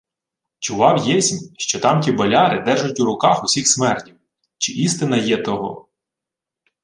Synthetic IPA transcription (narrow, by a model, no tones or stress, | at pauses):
t͡ʃʊʋɑwjɛsʲnʲʃt͡ʃɔt̪ɑmtʲibɐlʲɑɾɪd̪ɛrʒʊtʲuɾʊkɑxʊsʲixsmɛrtʲiw | t͡ʃɪʔist̪ɪnɐjɛt̪ɔɦɔ̰